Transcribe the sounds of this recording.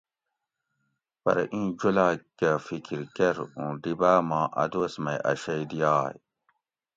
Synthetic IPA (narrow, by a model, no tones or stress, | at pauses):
pɐ̰ɾɐ̰ʔĩːd͡ʑulaːkafikiɾkeɾũːɖibaːmãːʔɐ̰d̪osmɐjʔɐ̰ɕɐjd̪ijaːj